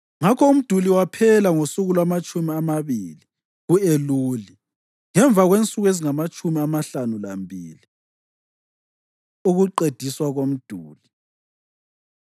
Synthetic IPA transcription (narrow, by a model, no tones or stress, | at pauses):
ŋakʰɔum̩d̥ʱuliwapʰɛlaŋosuɣulamat͡ʃʼumiamaβiːli | ɣueluːli | ŋɛɱb̪vʱaɣwent͡sʼuɣweziŋamat͡ʃʼumiamaɬanula̰mbʱiːli | uɣuǃed̥ʱiswaɣom̩d̥ʱuːli